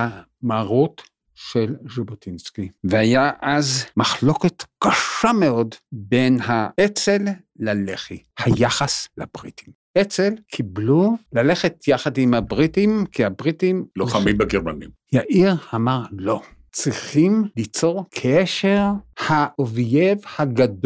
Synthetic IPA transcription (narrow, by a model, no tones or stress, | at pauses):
a | maːʁut | ʃelʒobotinskiveajaʔazmaχlo̞ketkaʃameo̞dbe̞nɦaʔet͡selː | aleχihajaχaslab̥ʁitim | et͡selkʰiblulale̞χetʰjaχadimhabʁitimkihabʁitimloχamitbaɡeʁmanimjaʔiʁamaʁlo̞ | t͡sʁiχimlit͡so̞ʁkʰeʃeʁhaovjevhaɡad